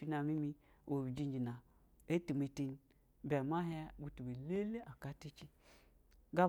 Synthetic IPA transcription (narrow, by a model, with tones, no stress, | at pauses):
fi˧na˨mi˦mi˧ | wo˨bi˨d͡ʒi˧nd͡ʒi˨na˨ | e˦tu˨me˨˧ti˧n˦ | bɛ˨ma˦ɦɛ˦ɡu˨tu˨we˨le˦le˦ʔa˨ka˦ti˦t͡ʃi˦ | ɡa˦